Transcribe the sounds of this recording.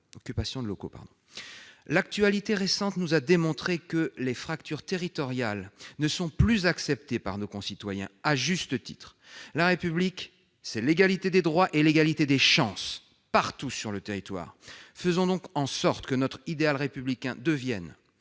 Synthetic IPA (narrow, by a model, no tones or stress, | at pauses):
ɔkʲypasjɔ̃d̪loko̰pa̰ʁd̪ɔ̃ | lak̚t̪ɥalit̪eʁesɑ̃t̪nuzad̪emɔ̃t̪χekəlefχakt̪yʁt̪eʁit̪ɔʁjalnəsɔ̃plyzaksɛp̚t̪epaʁnokɔ̃sit̪wajɛ̰̃aʒyst̪ət̪i̥̰t̪χ | laʁepyblik | sɛleɡalit̪ed̪ed̪ʁwaʔeleɡalit̪ed̪eʃɑ̃s | paʁt̪usyʁlət̪eʁit̪wa̰ːʁfəzɔ̃d̪ɔ̃kɑ̃sɔʁt̪kənɔt̪χid̪ealʁepyblikʲɛ̃d̪əvjɛn